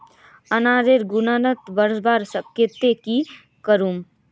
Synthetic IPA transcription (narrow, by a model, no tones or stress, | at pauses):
ənaːɾeɾɡʊnanət̪bəɾsbaːɾsəket̪eki | kəɾuːm